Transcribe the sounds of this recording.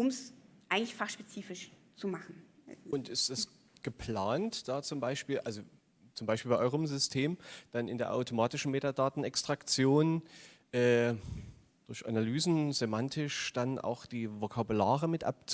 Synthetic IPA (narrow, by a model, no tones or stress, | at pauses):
ʔʊmsʔaɪɡŋ̩tlɪçfaχʃpet͡siːfɪʃ | t͡sumaχn̩ʊntɪstd̥as | ɡ̥əpʰl̥aːntd̥aːt͡sʊmbaɪʃpiːlʔalzo | t͡sʊmbaɪʃpiːlbaɪʔɔʏʁəmzʏstʰeːmd̥anɪ̰ndeːɐʔa̰ʊtomaːtɪʃn̩meːtadaːtn̩ɛkstʁ̥akt͡sjoːn | ʔɛː | d̥ʊɐçʔa̰nalyːzn̩zemantʰɪʃd̥anʔa̰ʊxd̥iːvokʰabulaːʁəmɪtʔa̰p̚t͡s